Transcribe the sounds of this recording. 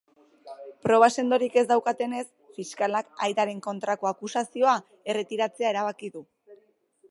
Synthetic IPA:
pɾo̞βase̞nd̪o̞ɾike̞zd̪awkat̪e̞ne̞s | fiskalakajt̪aɾe̞ŋko̞nt̪ɾako̞akusasio̞a | e̞re̞t̪iɾat͡se̞ae̞ɾaβ̞akiðu

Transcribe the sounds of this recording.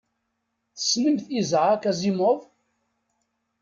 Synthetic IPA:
θə̥sːnəmθizʕakæzimʊðˤ

